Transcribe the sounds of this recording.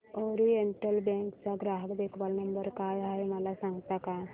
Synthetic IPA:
ɔɾiəɳʈəlbɛ̃ŋkt͡saɡɾaɦəkd̪ekʰʋalnəmbəɾkajaɦeməlasãŋɡt̪aka

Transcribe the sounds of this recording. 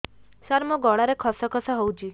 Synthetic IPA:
saɾmɔɡɔɽaɾekʰɔsɔkʰɔsɔɦowt͡ʃʰi

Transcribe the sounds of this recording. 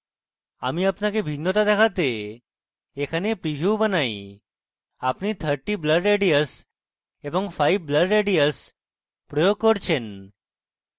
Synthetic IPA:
amiapnakebʱinːɔt̪ad̪ɛkʰat̪eː | kʰanepɾiɦjubənaj | apnit̪ʰəɾʈibləɖɾeɖijəs | ebɔŋfʰajbbləɖɾeɖiəs | pɾɔjoɡ̚kɔɾt͡ɕʰen

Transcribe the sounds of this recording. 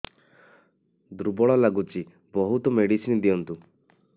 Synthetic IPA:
d̪ɾubɔɭɔlaɡut͡ʃi | bɔɦut̪ɔmeɽisind̪ijɔnt̪u

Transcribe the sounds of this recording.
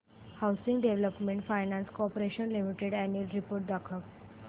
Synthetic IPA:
hawsĩŋɡɖeʋləpmẽɳʈfajnãnskopəɾeɕənlimiʈeɽænuəlɾipoːɾʈ̚d̪akʰək̚

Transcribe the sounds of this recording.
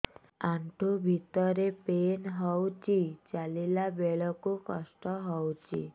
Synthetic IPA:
ãɳʈʰobʱit̪ɔɾepenɦɔwt͡ʃit͡ʃalelabeɭɔkokɔsʈɔɦɔwt͡ʃʰḭ

